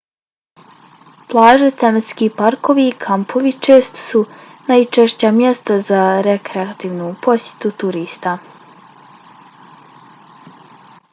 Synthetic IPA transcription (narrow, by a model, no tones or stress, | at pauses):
plˠaːʒet̪emet̪skiːpaɾko̞ʋiːkʰampʰo̞ʋit͡ʃe̞ːst̪o̥sunajt͡ʃeʃt͡ɕamjest̪azaɾekɾeat̪iːʋnupo̞sje̥t̪ut̪uɾiːst̪a